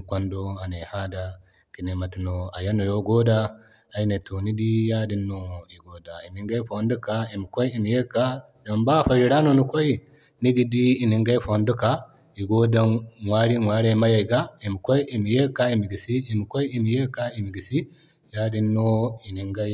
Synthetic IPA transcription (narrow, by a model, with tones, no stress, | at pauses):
kʷo˦ndo˦a˨ne˨ha˦da˦ | ki˨ne˨ma˨ti˨no˨a˨ja˦nːo˨jo˦ɡo˦daː˦˨ | i˦ne˨to˨ni˦di˦ja˦di˦nːo˨i˨ɡo˨da˨i˨ni˨ŋɡa˦i˦fo˨ndu˦ka˦i˨mi˨ko˦ji˨mi˨je˦ka˦ | ja˨mba˦fa˨ɾi˨ɾa˦no˦˨nu˦ko˦i˦ | ni˦ɡi˨diː˦˨ni˨ŋɡa˦i˦fo˨ndu˦ka˦ | i˨ɡo˦da˦nwa˦ɾi˦ŋwa˦ɾe˦ma˦ja˨jɡa˦i˨mi˨ko˦jʔi˨mi˨je˦ka˦i˨mi˨ɡi˨siː˦˨mi˨ko˦ji˦mi˨je˦ka˦i˨mi˨ɡi˨si˦ | ja˦di˦nːo˦i˨ni˨ŋɡa˦j